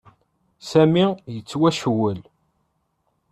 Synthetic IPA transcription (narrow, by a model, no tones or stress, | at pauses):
sæmijət͡sːwæʃwəl